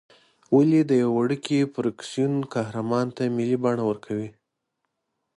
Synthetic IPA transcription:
walid̪əjaaɽəkʰipɾaksijunkɑhɾamɑnt̪amɪlibɑɳawəɾkʰawi

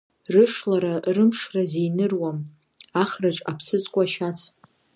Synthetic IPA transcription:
rɨʂlaɾarɨmʂrazejnɨrwam | aχraʈ͡ʂʼapʰsɨzkʷʼaʃat͡sʰ

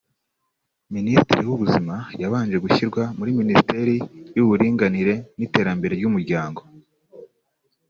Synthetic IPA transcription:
ministiɾiwuβuzimajaβaːnd͡ʒe̞ɡuçiɾɡwamuɾiministe̞ɾijuβuɾiːŋɡaniɾe̞nite̞ːɾambe̞ɾe̞ɾɟumuɾɟaːŋɡo̞

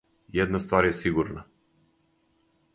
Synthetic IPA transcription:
jɛd̪nast̪vaɾjɛsiɡuɾna

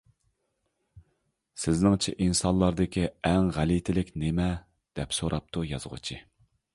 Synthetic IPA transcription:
sɪznɪŋt͡ʃʰɛʔinsɑnlˠɑɾd̪ɨkʲʰiɛŋʁælit̪ʰɪlɪkʲnemɛ | d̪̥ɛpsoɾʔɑp̚t̪ʰujɑzəʁʊ̰t͡ʃʰi

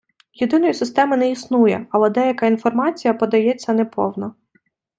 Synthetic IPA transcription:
jʊd̪ɪnɔjʊsɪst̪ɛmɪnɛisnujɛ̰ɐlˠɛd̪ɛjɐkainfɔrmɑt͡sʲijɐpɔd̪ɐjɛt͡sʲːɐnɛpɔwnɔ

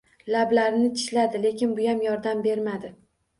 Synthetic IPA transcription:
lablaɾɪnɪt̪ʰɪ̥ʃlad̪ɪle̞kʲɪnbʊjamjɒɾd̪ambe̞ɾmad̪ɪ

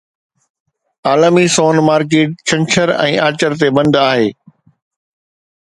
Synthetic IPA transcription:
aːlmisoːnmaːɾk̬eːʈ̚t͡ɕʰɐ̃ŋt͡ɕʰəɾɛ̰̃ːaːt͡ɕəɾt̪ebɐ̃nd̪aːɦeː

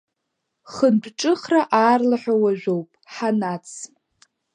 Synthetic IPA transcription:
χəndʷʰʼʈ͡ʂʼɨχraʔaːrlaħʷᶣawaʒᶣʷowpʼħanat͡sʰ

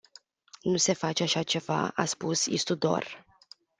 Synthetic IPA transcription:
nuse̞fat͡ʃeaʃat͡ʃe̞va̰a̰spusḭst̪ud̪o̞̰r

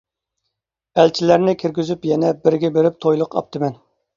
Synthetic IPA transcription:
ælt͡ʃʰilæɾnɪkʲʰiɾɡʲyzypjɛnɛbɪɾɡʲɛbeɾɪp̚t̪ʰojlˠʊqɑ̰p̚t̪ʰɨmɛn

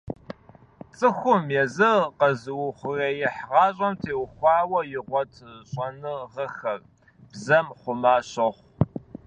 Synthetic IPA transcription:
t͡sʼɨxʷʊmjɛzɨqɐzɨwʊχʷʊreːjɪħʁɑːɕʼɐmtʰeːwxʷɑːwɐjɪʁʷɔtʰɕʼɐnɨʁɐxɐr | b̥zɐmχʷʊmaːɕɐχʷ

